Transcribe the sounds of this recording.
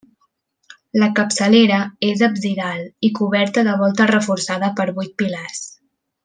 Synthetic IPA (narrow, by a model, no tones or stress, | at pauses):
ləkəpsəleɾəezəbziðalˠikuβɛɾt̪əðəβ̞ɔlˠt̪ərəfuɾsaðəpəɾβujt̪̚pilas